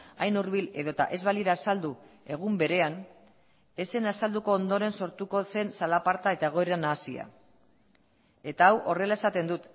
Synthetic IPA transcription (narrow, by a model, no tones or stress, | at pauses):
ajnuɾβile̞ðo̞t̪a̰ʔe̞zβaliɾaːsald̪ue̞ɣ̞umbe̞ɾe̞an | e̞se̞nasald̪uko̞ːnd̪o̞ɾe̞nso̞ɾt̪uko̞se̞nsalapaɾt̪ae̞t̪ae̞ɣ̞o̞eɾanaːsia̰ | e̞t̪aːwʔo̞re̞lae̞sat̪e̞nd̪ut̪